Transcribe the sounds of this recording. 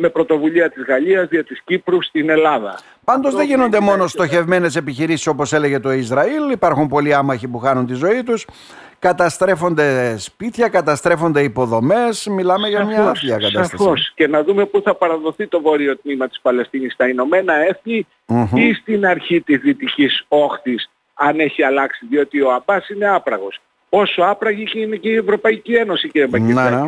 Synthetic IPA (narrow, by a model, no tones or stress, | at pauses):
me̞pɾo̞t̪o̞vuʎiɐt̪izɣɐʎiɐzɐt̪iscipɾust̪ine̞lɐðɐ̰ | pɐnd̪ozðeʝino̞nd̪e̞mo̞no̞st̪o̞çe̞vme̞ne̞se̞piçiɾisi̥so̞po̞se̞le̞ʝe̞t̪o̞izɾɐilipɐɾxumpo̞liɐmɐçipuxɐnunt̪izo̞it̪us | kɐt̪ɐst̪ɾe̞fo̞nd̪e̞spit̪çɐkɐt̪ɐst̪ɾe̞fo̞nd̪e̞ipo̞ðo̞me̞smilɐmeʝɐmɲɐɐθiɐkɐt̪ɐsosce̞nɐðume̞puθɐpɐɾɐðo̞θit̪o̞vo̞ɾio̞t̪nimɐt̪i̥spɐle̞st̪inist̪ɐino̞me̞nɐe̞θni | ist̪inɐɾçit̪izðit̪iciso̞xθis | ɐne̞çiɐlɐksiðio̞t̪io̞ɐbɐsine̞ɐpɾɐɣo̞s | o̞so̞ɐpɾɐʝiceine̞ceie̞vɾo̞pɐicie̞no̞siciɾiemɐine